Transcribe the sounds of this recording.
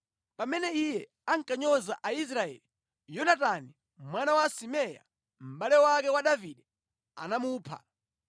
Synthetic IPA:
pamɛnɛijɛ | aŋkʼaɲɔza̰ʔais̬ɾaɛ̰li | jɔnatani | mwanawasimɛja̰ | m̩ɓalɛwakɛwaɗaviɗɛ | a̰namuːpʰa̰

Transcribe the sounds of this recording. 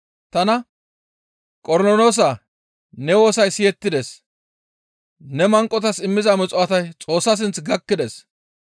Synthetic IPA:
t̪ɐnɐ | kʼɔɾnɔnoːs̬aː | nɛwo̞ːsɐjsɪjɛt̪ːɪd̪es | nɛmɐŋkʼːɔt̪̬ɐsɪmːɪzɐmɪt͡sʼʊɐt̪ɐjt͡sʼo̞ːsːɐs̬ɪnt͡sɡɐkːɪd̪ɛs

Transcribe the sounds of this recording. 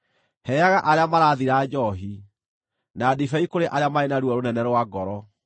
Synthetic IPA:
hɛjaɣaʔaɾeamaɾaːðiɾaːd͡ʑɔɦi | naːdifɛikoɾeʔaɾeamaenaɾwɔɾonɛnɛɾwaɡɔɾɔ

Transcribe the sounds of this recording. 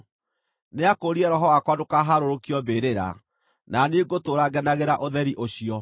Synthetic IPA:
neakoɾiɛɾɔɦɔwakwadokaɦaɾoɾokiɔbeɾeɾa̰ | naneɡotoɾaɡɛnaɣeɾaʔoðɛɾiʔoɕiɔ

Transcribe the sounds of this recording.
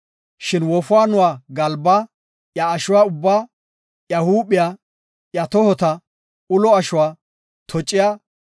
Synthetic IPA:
ʃɪnwɔfʊaːnʊwaːɡɐlbaː | jɐːʃʊwaːʊbːaː | jɐhuːɓɪjaː | jɐt̪ɔhɔt̪ɐ | ʊlɔɐʃʊwaː | t̪ʰɔt͡ʃʼːɪjaː

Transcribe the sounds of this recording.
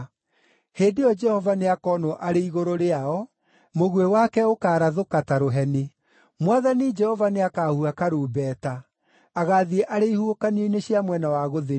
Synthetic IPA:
heːdeɔd͡ʒɛhɔvaneakɔːnoʔaɾeiɣoɾoɾeaɔ | moɣwewakɛokaːɾaðokataɾoɦɛne | mwaðanid͡ʒɛhɔvaneakaːhuakaɾuːbɛːtaː | ɣaːðiɛʔaɾeihuokanioineɕiamwɛnawaɣoðe

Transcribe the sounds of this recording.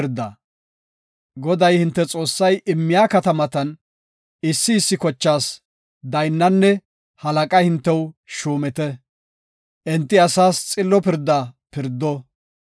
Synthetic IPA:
ɾd̪ːɐ | ɡɔd̪ɐjhɪnt̪ːɛt͡sʼo̞ːsːɐjʔɪmːɪjaːkɐt̪ɐmɐt̪ɐn | ɪsːɪːsːɪkɔt͡ʃːaːs | d̪ɐjnːɐnːɛ | hɐlɐkʼɐjhɪnt̪ːɛwʃuːmɛt̪ɛ | ʔɛnt̪ːɪɐsaːst͡sʼɪlːɔpɪɾd̪ːapɪɾd̪ːɔ

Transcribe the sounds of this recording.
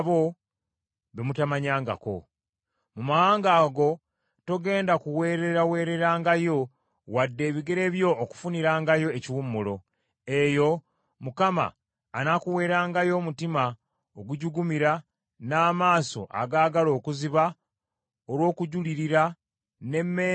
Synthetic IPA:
βo̞ | βemutamaɲaːŋɡa̰ko̞̰ | mumahaːŋɡaːɡo̞ | to̞ɡe̞ːndakuwe̞ːɾe̞ɾawe̞ːɾe̞ɾaːŋɡajo̞ | wadːe̞ːβiɡe̞ɾe̞βjo̞ːku̥funiɾaːŋɡajo̞eciwumːulo̞ | e̞jo̞ | mukama̰ː | nakuwe̞ːɾaːŋɡajo̞mutima | oɡuɟuɡumiɾa | naːmaːso̞̰ʔa̰ɡaːɡalo̞ːkuziβa | oɾwo̞ːkuɟuliɾiɾa | ne̞mːe

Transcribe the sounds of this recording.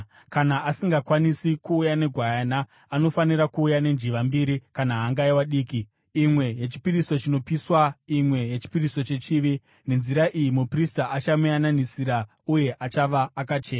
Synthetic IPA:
kanaʔasiŋɡakwanisikuːjane̞ɡʱwajanaː | no̞faniɾakuːjane̞nd͡ʒiʋambiɾikanaɦaŋɡaiwaɗiːkiː | mwe̞je̞t͡ʃi̥piɾiso̞t͡ʃino̞piswaimwe̞je̞t͡ʃi̥piriso̞t͡ʃe̞t͡ʃiːʋi | ne̞nziɾaʔijimupristaʔat͡ʃamujananisiɾa | uje̞ʔat͡ʃaʋaːkat͡ʃe̞ːna

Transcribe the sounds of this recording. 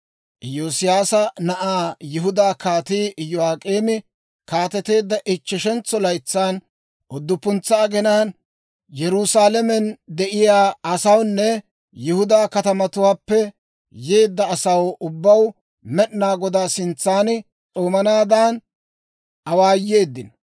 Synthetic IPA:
ʔjoːsɪjaːsɐnɐʔaːjɪɦʊd̪aːkaːt̪iːʔɪjːɔaːkʼeːmɪ | kaːt̪ɛt̪e̞ːd̪ːɐʔɪt͡ʃːɪʃɛnt͡sːɔlɐjt͡sːaːn | ʔɔd̪ːʊpːʊnt͡sːɐːɡɛnaːn | jɛɾusaːlɛmɛnd̪ɛʔɪjaːɐsɐwnːɛ | jɪhʊd̪aːkɐt̪ɐmɐt̪ʊwaːpːɛ | jeːd̪ːɐːsɐwʊbːɐw | mɛɗnaːɡɔd̪aːsɪnt͡sːaːnɪ | t͡sʼoːmɐnaːd̪an | ʔɐwaːjeːd̪ːɪn

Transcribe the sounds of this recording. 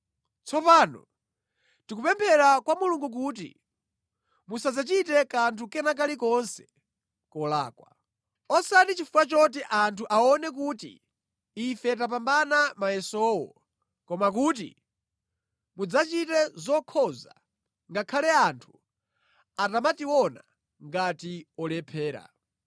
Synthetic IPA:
t͡sʰɔpaːnɔ̰ | tik̬upɛmpʰɛɾakwamuluŋɡuk̬uːt̬ḭ | musad͡zat͡ʃitɛkantʰukɛnak̬alikɔnsɛ̥ | kɔla̰ːkwa | ɔsatit͡ʃifuat͡ʃɔt̬iʔantʰuʔaɔnɛk̬uːtḭː | fɛt̬ap̬ambanamajɛsɔwɔ̰ | kɔmak̬uːt̬ḭ | mud͡zat͡ʃitɛzɔkʰɔza̰ | ŋɡakʰalɛantʰu̥ | atamatiwɔna | ŋɡatiɔlɛpʰɛːɾa̰

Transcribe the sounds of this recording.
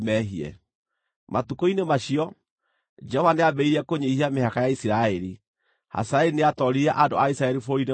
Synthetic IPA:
mɛɦiɛ̰ | matukoinemaɕiɔ | d͡ʒɛhɔvaneabɛiɾiɛkoɲeihiamehakajaisiɾaɛɾi | ha̰saeɾineatɔɾiɾɛʔado̰aisɾaɛɾifoɾine

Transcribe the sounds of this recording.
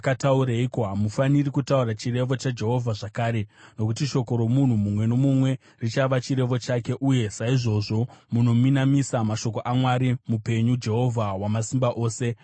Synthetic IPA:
katauɾeikoɦamufanirikutauɾat͡ʃire̞ʋo̞t͡ʃad͡ʒe̞ɦo̞vʱaʐakaːɾe̞no̞kutiʃo̞ko̞ɾo̞mun̤umumwe̞no̞mumwe̞ | rit͡ʃaʋat͡ʃiɾe̞ʋo̞t͡ʃake̞ʔuje̞saiʐo̞ʐo̞muno̞minamisamaʃo̞ko̞ʔamwaɾimupe̞ɲud͡ʒe̞ɦo̞vʱawamasimbaʔo̞ːse̞

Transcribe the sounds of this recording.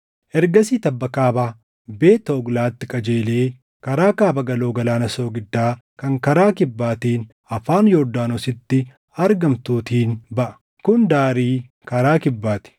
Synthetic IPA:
ʔɛɾɡɐsiːt̪ɐbːɐkaːbaː | beːt̪oːɡlaːt̪ːɪkʼɐd͡ʒeːle̞ː | kɐɾaːkaːbɐɡɐloːɡɐlaːnɐso̞ːɡɪd̪ːaː | kɐŋkɐɾaːkɪbːaːt̪eːn | ɐfaːnjoːd̪aːnɔsɪt̪ːɪ | ɐɾɡɐmt̪uːt̪iːnbɐʔɐ̥ | kʊnd̪aːɾiː | kɐɾaːkɪbːaːt̪ɪ̥

